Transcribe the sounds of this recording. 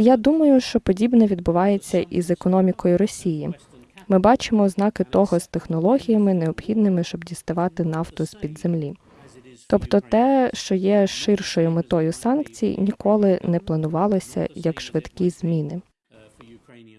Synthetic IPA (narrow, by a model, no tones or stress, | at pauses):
jad̪umɐjʊʃt͡ʃɔpɔdʲibnɛʋʲid̪̚bʊʋɑjet͡sʲːɐʔḭzekɔnɔmʲikɔjʊɾɔsʲiji | mɪbɑt͡ʃɪmɔznɑkɪt̪ɔɦɔst̪exnɔlˠɔɦʲijɐmɪneɔbxʲid̪nɪmɪʃt͡ʃɔbdʲist̪ɐʋɑt̪ɪnɑft̪ɔspʲid̪zemlʲi | t̪ɔpt̪ɔt̪ɛʃt͡ʃɔjɛʃɪrʃɔjʊmet̪ɔjʊsɑnkt͡sʲij̰nʲikɔlˠɪnɛplˠɐnʊʋɑlˠɔsʲɐ̰jɐkʃʋɪt̪kʲiz̥ʲmʲinɪ